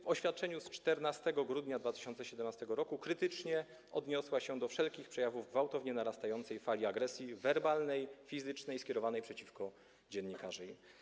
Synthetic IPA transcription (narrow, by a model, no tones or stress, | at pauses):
vɔɕfʲjat̪̚t͡ʂɛɲust͡ʂt̪ɛɾnast̪ɛɡɔɡɾud̪ɲad̪vat̪ɘ̥ɕɔnt̪sɛɕɛd̪ɛmnast̪ɛɡɔɾɔkukɾɘt̪ɘt͡ʂɲɛ | ɔd̪ɲɔswaɕɛd̪ɔfʂɛlkʲixpʂɛjavuvɡvawt̪ɔvɲɛnaɾast̪ajɔnt̪sɛjfalʲiaɡɾɛsʲjivɛɾbalnɛjfʲizɘt͡ʂnɛjskʲjɛɾɔvanɛjpʂɛt͡ɕifkɔ | d͡ʑɛnɲikaʐɛj